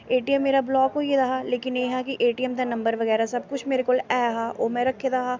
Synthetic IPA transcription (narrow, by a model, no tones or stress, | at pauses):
eːʈiɛmːeːɾablɔːkːojed̪aɦaːleːkɪnjeːɦɛkiʔeːʈiːɛmd̪anɐ̃mbəɾʋəɣɛːɾasɐb̚kʊt͡ʃʰmeːɾekoːlɛːɦaːʔoːmɛ̃ːɾɐkʰːed̪aɦaː